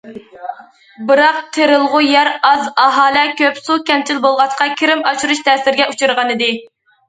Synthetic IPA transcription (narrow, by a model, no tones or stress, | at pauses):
bɨɾɑq̚t̪ʰeɾɪlˠʁʊjæɾɑzɑɦɑːlˠɛkʲʰøpsukʲɛmt͡ʃʰilbolˠʁɑʃqɑkʲʰiɾɪmɑʃuɾuʃt̪ʰɛːsɪɾɡʲɛʔut͡ʃʰuɾʁɑnɨd̪ɪ